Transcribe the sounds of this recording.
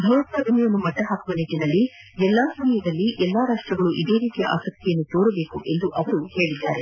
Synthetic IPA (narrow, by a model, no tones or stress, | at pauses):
bʱɐwɾɐt̪ɾɐdumijɐnːumɐʈːɐɦaːkuʋɐneʈinɐlːi | ɛlːaːsɐmijɐd̪ɐlːiʔɛlːaːɾaːʂʈɾɐɡɐɭuʔid̪e̞ːɾiːt̪ijɐ̰ʔa̰ːsɐk̚t̪ʰijɐnːut̪o̞ːɾɐbe̞ːkuʔe̞nd̪uʔɐʋɐɾuhe̞ːɭid̪ːaːɾe̞